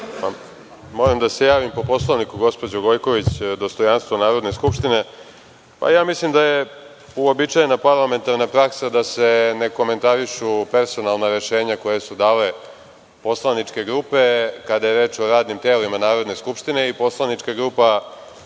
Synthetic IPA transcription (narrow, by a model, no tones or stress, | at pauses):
pa | mo̞ɾamd̪ase̞jaːʋimpo̞po̞slˠoʋnikuɡospod͡ʑoɡo̞jko̞ʋit͡ɕd̪o̞st̪o̞janst̪ʋonaːɾo̞d̪ne̞skupʃt̪ine̞ | pa̰jaːmislimd̪aje̞ | uobit͡ʃajenapaɾlˠame̞nt̪aɾnapɾaksad̪ase̞ne̞ko̞me̞nt̪aɾiʃupe̞ɾso̞nalˠnaɾe̞ʃe̞ːɲako̞jesud̪aːle | po̞slˠanit͡ʂke̞ɡɾuːpe̞kad̪aje̞ɾe̞ːt͡ʃo̞ɾaːd̪nimt̪eːlimanaːɾo̞d̪ne̞skupʃt̪ineipo̞slˠaniʈ͡ʂkaɡɾupa